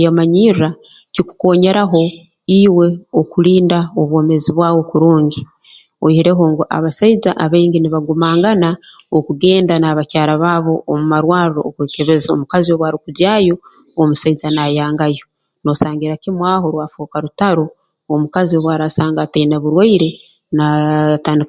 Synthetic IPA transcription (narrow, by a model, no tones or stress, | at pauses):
jamaɲiɾakiku̥ko̞ːɲe̞ɾaɦo̞ | iwe̞okuɾiːndaoβwo̞ːme̞ziβwaːwo̞kuɾuːɲɡi | ohiɾe̞ɦo̞ŋɡuʔa̰βasaizaʔaβeːɲɟiniβaɡumaːŋɡanaokuɡe̞ːndanaːβacaːɾaβaːβo̞ʔomumaɾwaːɾuɾookweːke̞βe̞zao̰mukazio̞βwaːɾikuɟaːjo̞ː | musaizanajaːŋɡajo̞ | no̞saːŋɡiɾakimwaːɦo̞ɾwaːfoːkaɾutaɾoː | mukazio̞βwaɾasaːŋɡatainaβuɾwaiɾe̞ | nataːndik